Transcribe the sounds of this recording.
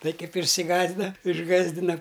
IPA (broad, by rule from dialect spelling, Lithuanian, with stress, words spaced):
ˈtɐɪ ˈkɐɪp ɪʃʲsʲɪˈɡɑːzʲdʲɪnɐ ɪʒˈɡɑːzʲdʲɪnɐ